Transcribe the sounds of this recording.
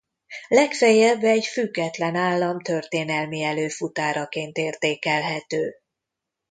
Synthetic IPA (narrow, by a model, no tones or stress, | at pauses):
lɛkfɛjɛbːɛɟfyɡːɛt̪lɛnaːlːɒmt̪ø̞rt̪eːnɛlmiɛløːfut̪aːɾɒkeːnt̪eːrt̪eːkɛlɦɛt̪øː